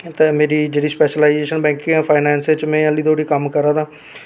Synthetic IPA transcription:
t̪eːmeːɾiːd͡ʒeːɽiːspɛːʃəlaːɪzeːʃənbɛ̃ːŋkɪ̃ɛ̃ːpʰaːɪnɛ̃ːnsɪt͡ʃmɛ̃ːəliːd̪ʰoːɽiːkəmkəɾaːd̪aː

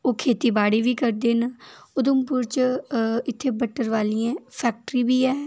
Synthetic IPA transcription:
oːkʰeːt̪iːbaːɽiːʋiːkəɾd̪eːnʊd̪əmpʊɾt͡ʃ | ɪt̪ʰːeːbəʈːəɾʋaːliːãːpʰɛːk̚ʈɾiːbiːɛː

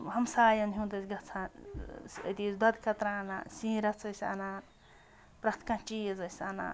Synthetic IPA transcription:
ɦɐmsaːjɐnɦũd̪ɐsɡɐt͡sʰãsḛt̪isd̪ɐd̪kɐt̪ɾana̰sĩːɾɐt͡sɐsʲa̰na | pɾɐt̪ʰkãt͡ʃiezɐsʲana̰

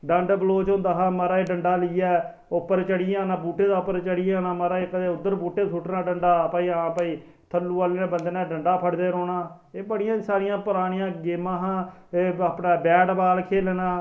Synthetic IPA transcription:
ɖəɳɖbəloːt͡ʃɦʊ̃ːnd̪aːɦãːməɾaːeːɖəɳɖaːlɪːɛː | ʊpːəɾt͡ʃəɽɪjãːnãːbuːʈeːd̪aːʊpːəɾt͡ʃəɽɪːjãːnaːmaɾaːeːkəd̪eːʊd̪ːəɾbuːʈeːt̪ʰuːʈnaːɖəɳɖaːpaːiːãːpaiː | t̪ʰəlːuːaːleːñːbənd̪eːnɛ̃ːɖəɳɖaːpʰəɽd̪eːɾoːnaː | eːbəɽɪjãːsaːɾɪjãːpʊɾaːɽ̃ɪjãːɡeːmãːɦãːeːaːpnãːbɛːɖbaːlkʰeːlːnãː

